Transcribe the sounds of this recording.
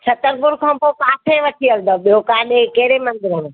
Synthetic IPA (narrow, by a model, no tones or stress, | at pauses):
t͡ʃʰɐt̪əɾpʊɾkʰɐ̃mpokaːtʰeʋɐʈʰiəld̪əɓijokaːɗekeːɾemɐ̃nd̪ɪɾən